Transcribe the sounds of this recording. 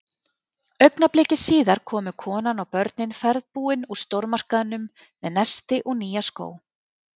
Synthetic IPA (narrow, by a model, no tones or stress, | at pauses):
œɥknaplɪːcɪsiːðaɾ̥kʰɔːmʏkʰɔːnanawpœɾt̪̚nɪnfɛɾðpuːɪnust̪owɾmar̥kaðɪnːʏmː | ɛðnɛst̪ɪʔɔɣniːjasko̰ːw